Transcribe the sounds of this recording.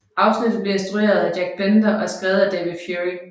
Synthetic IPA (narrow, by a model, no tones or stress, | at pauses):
ʔɑ̈ʊsnid̥̩b̥leensd̥ʁue̝̰ːɐðˠædjæɡ̥̚b̥end̥ɐʔɒ̽sɡ̥ʁɛːðˠæd̥ɛʋið̥ˠfjuʁi